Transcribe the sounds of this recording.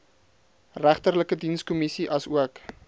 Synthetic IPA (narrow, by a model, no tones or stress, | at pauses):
ræχtərləkədinskɔmisiʔɐsuək